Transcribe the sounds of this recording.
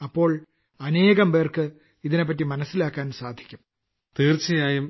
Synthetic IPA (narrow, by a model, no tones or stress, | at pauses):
ɐpːo̞ːɭ | ɐneːɣɐmʋeːrkɨ | iðine̞p̬ːɐt̬ːimɐnɐsːilaːkːaːnsaːd̪ʱi̥kʲːum | t̪iːrt͡ɕːijaːjum